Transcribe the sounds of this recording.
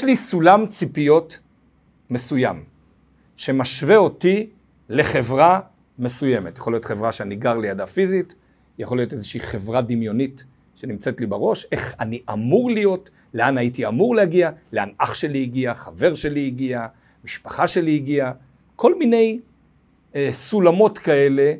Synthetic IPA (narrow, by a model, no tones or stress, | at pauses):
jeʃlisulamt͡sipijo̞t | me̞sujam | ʃe̞maʃveo̞ti | le̞χe̞vʁa | me̞suje̞me̞tjaχolijo̞tχevʁaʃeaniɡaʁlijadafizit | jaχo̞lijotezeʃiiχe̞vʁad̪imjo̞nit | ʃe̞nimt͡se̞tlibaʁo̞ʃe̞χaniʔamuʁlijo̞t | leanaitiamuʁlehaɡialeanaχʃe̞liiɡiaχave̞ʁʃe̞liːɡia | miʃpḁχaʃe̞liːɡia | kʰo̞lmine̞j | sulamo̞tkae̞le̞